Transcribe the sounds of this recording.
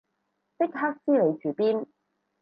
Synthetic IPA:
tɪ˥k̚ɦaː˥k̚siː˥le˨˧jt͡ʃyː˨˩piː˥n

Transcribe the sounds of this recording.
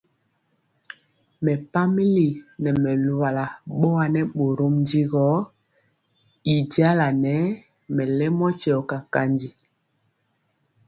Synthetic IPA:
mɛ˨pa˦mi˦li˨nɛ˨mɛ˨lu˨wa˨la˨ɓɔ˦wa˨nɛ˦ɓo˨ɾo˦mndi˦ɣɔ˨˦ | i˨di˦a˦la˨nɛ˨˦ | mɛ˨lɛ˦mɔ˦t͡ʃɔ˨ka˨ka˦ndi˨

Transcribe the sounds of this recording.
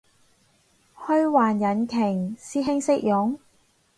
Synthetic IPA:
hɵ˥ɥwaː˨˩njɐ˨˥nkʰɪ˨˩ŋsiː˥ɦɪ˥ŋsɪ˥k̚jʊ˨˥ŋ

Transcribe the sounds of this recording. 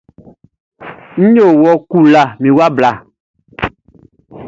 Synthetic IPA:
ɲ̩̃˦ɲo˦˨wɔ˨ku˦la˨mĩ˨wa˦bla˨

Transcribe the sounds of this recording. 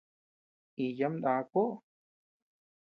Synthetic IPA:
i˧ja˧˦md̪a˧ko˦ʔ

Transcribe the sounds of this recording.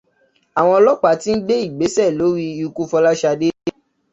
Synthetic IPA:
a˨w̃ɔ̃˧ɔ˧lɔ˦k͡pa˨ti˦n̩˦ɡ͡be˦i˦˨ɡ͡be˨˦sɛ˦˨lo˨˦ɾi˧i˧ku˦˧fɔ˧la˦ʃa˧de˦

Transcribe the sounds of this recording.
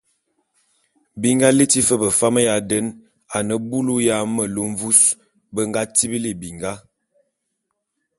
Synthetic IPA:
bi˦ŋɡa˦li˦ti˦fə˦bə˨fa˦mə˦ja˨də˦n | a˨nə˨bu˦lu˦ja˦mə˨lu˦ɱ˦vu˦s | bə˦ŋɡa˦ti˦bi˦li˦˨bi˨ŋɡa˦

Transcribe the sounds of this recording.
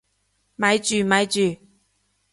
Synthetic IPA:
ma˨˥jt͡ʃyː˨˩ma˨˥jt͡ʃyː˨˩

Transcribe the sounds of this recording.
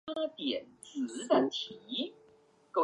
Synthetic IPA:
a˥t̪jɛ˨˩nt͡sɹ̩˧˦tə˧ŋt̪ʰi˨˧˦ | ko˥˩

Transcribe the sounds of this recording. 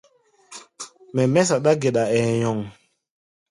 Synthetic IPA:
mɛ˨mɛ˦s̬a˨ɗa˦ɡe˨ɗa˨ɛ˨jɔ˨ŋ

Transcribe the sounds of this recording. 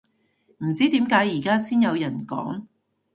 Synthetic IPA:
m̩˨˩t͡siː˥t̪iː˨˥mkaː˨˥jːiː˨˩kaː˥siː˥njɐ˨˧wjɐ˨˩nkɔ̰ː˨˥ŋ

